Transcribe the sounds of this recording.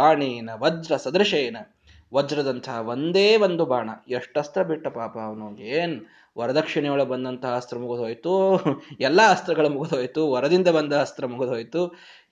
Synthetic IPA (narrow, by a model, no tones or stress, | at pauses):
aːɳiːnɐʋɐd͡ʒɾɐsɐd̪ɾɐʃeːnɐ | ʋɐd͡ʒɾɐd̪ɐnt̪ʰɐɦɐʋond̪eːʋond̪ubaːɳɐ̰eʂʈɐst̪ɾɐbiʈːɐpaːpɐːʋɐnoːɡeːn | ʋɐɾɐd̪ɐkʂiɳɛjɐɭubɐnd̪ɐnt̪ɐɦɐɐst̪ɾɐmuɡud̪ɦoːjt̪uɛlːɐːst̪ɾɐɡɐɭumuɡud̪oːjt̪uʋɐɾɐd̪ind̪ɐbɐnd̪ɐɐst̪ɾɐmuɡud̪oːjt̪u